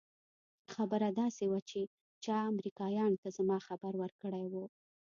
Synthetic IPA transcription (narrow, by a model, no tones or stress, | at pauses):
xabəɾad̪ɑsewat͡ʃe | t͡ʃɑamɾikɑjɑnt̪azamɑxabaɾwəɾkəɽajwo